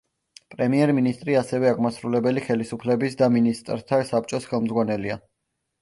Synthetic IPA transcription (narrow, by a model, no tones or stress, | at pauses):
pʼɾɛmiɛɾminist̪ʼɾiasɛvɛaʁmasɾulɛbɛliχɛlisupʰlɛbisd̪aminist̪ʼɾt̪ʰasap̚t͡ʃʼɔsχɛlˠmzʁwanɛlia